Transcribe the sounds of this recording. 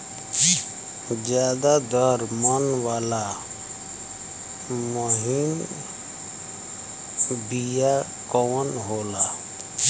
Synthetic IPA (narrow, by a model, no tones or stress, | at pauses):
d͡ʒjaːd̪ad̪ɔɾmənwaːla | moɦin | bija | kɔːnɦoːla